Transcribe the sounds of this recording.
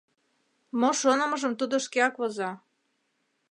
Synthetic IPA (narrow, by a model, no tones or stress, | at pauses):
moʃonə̆mə̆ʒəmt̪ud̪oʃkeɑkβozɑ